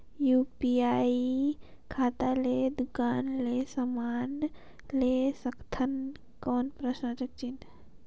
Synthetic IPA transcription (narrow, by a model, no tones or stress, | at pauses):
juːpiaːi | kʰaːt̪aleːd̪ʊkaːnleːsəmaːn | leːsəkt̪ʰən | kɔːnpɾəʃnat͡ʃək̚t͡ʃin